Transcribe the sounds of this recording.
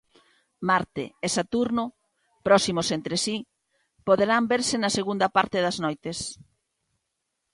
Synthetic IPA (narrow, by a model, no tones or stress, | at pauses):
maɾt̪ḛːsat̪uɾnʊ | pɾɔsimosent̪ɾesi | poðeɾambeɾsɪnɐseɣund̪ɐpaɾt̪ɪðɐznojt̪es